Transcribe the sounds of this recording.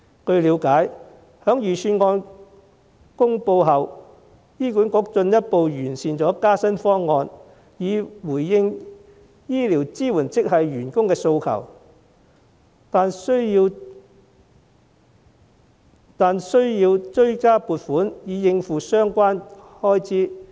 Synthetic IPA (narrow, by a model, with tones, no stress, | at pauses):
kɵ˧ɥliː˨˧˥wkaː˨˥j | hœː˨˥ŋjyː˨˩syː˧nŋɔː˧n | kʊ˥ŋpo˧wɦɐ˨w | jiː˥ku˨˥nkʊ˨˥k̚t͡ʃɵ˧njɐ˥t̚po˨˧wjyː˨˩nsiː˨nt͡sɔː˨˥kaː˥sɐ˥nfɔː˥ŋːɔː˧n | jiː˨˧wuː˨˩jːɪ˧ŋ | jiː˥liː˨˩wt͡siː˥wuː˨˩nt͡sɪ˥k̚ɦɐ˨jɥyː˨˩nkʊ˥ŋkɛː˧so˧wkʰɐ̰˨˩w | t̪aː˨˧nsɵ˥i˧w | t̪aː˨nsɵ˥ɥjiː˧wt͡ʃɵ˥ɥkaː˥puː˨t̚fuː˨˥njiː˨˧jɪ˧ŋfuː˨sœː˥ŋkʷaː˥nhɔː˥jt͡siː˥